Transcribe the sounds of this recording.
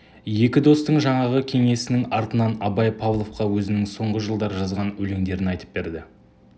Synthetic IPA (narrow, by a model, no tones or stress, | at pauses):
je̞kʲɪd̪o̞st̪əɴʒɑɴɑʁəkʲʰe̞ŋe̞sɪnɪŋɑɾt̪ənɑnɑbɑjpʰɑvlˠo̞fqɑwɵzɪnɪŋso̞ɴʁəʒəlˠd̪ɑɾʒɑzʁɑnɵle̞ŋd̪e̞ɾɪnɑjt̪ə̥p̚be̞ɾd̪ɪ